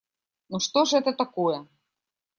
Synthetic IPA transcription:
nuʂt̪oʐɛt̪ɐt̪akojɛ

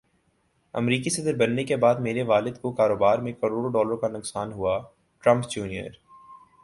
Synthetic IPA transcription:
ɐ̰mɾiːkisɐd̪ɾbɐnːekebaːd̪meːɾeʋaːlɪd̪kokaːɾoːbaːɾmẽkɐɾoːɽoɖɔːləɾõkanʊksaːnɦua | ʈɾɐ̃mpd͡ʒuːnijə̰ɾ

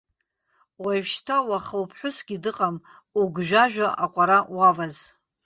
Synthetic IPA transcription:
wajvʃtʰawaχəwpʰħʷʊsɡ̥ʲidɨqʼam | uɡʒᶣaʒᶣaʔaqʷʼaɾawavaz

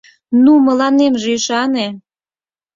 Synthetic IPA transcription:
numə̆lɑnemʒeiʃɑne

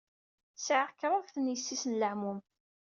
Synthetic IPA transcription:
səʕəʁkːɾˤɑðθənjəsːisənləʕmum

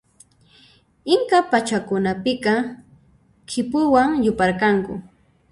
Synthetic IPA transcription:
ɪŋkapat͡ʃakʊnapɪkɑ | kʰɪpʊwaŋjʊpaɾkaŋkʊ̰

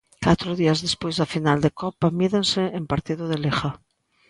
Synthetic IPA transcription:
kat̪ɾʊðiɐzðespojzðɐfinald̪ekɔpamiðensɪempaɾt̪iðʊðelexa

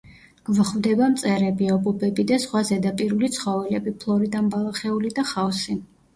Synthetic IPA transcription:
ɡ̥vχvd̪ɛbamt̪sʼɛɾɛbiɔbɔbɛbid̪asχwazɛd̪apʼiɾulit̪sʰχɔvɛlɛbipʰlˠɔɾid̪anbalˠaχɛulid̪aχawsi

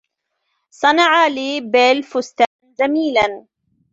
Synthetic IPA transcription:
sˤɑnɑʕaliːbeːlfʊst̪aːnd͡ʒamiːlan

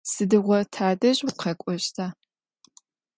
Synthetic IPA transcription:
sɨdɨʁʷɔtʰaːdɐʑwqʰɐkʷʼɔɕtʰaː

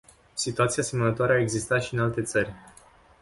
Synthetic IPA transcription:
sit̪uat̪sijase̞mənət̪oaɾeaeɡzist̪at̪ʃiɨnalt̪e̞t̪sərʲ

